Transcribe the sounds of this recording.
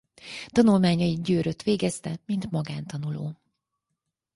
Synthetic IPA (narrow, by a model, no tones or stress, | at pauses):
t̪ɒnulmaːɲɒiɟøːɾøt̪ʋeːɡɛst̪ɛmint̪mɒɡaːnt̪ɒnuloː